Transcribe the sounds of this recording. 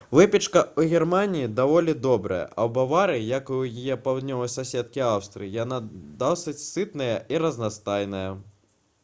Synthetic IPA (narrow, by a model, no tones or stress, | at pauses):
vɛpʲit͡ʂkɐuɣʲirmanʲijid̪avɔlʲid̪ɔbɾɐ̰jɐ̰ʔɐwbavaɾɨjɐkujijɛpawd̪nʲɔvɐjsasʲɛt̪̚kʲiawst̪ɾɨ̰ijanad̪awsɨt͡sʲsɨt̪nɐjɐʔiɾɐznast̪ajnɐjɐ